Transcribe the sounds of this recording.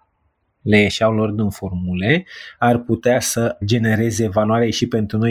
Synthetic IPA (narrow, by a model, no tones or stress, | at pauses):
le̞jeʃawlo̞rd̪ɨnfo̞rmule̞arput̪easəd͡ʒe̞ne̞ɾe̞ze̞vanuaɾeʃipe̞nt̪ɾuno̞j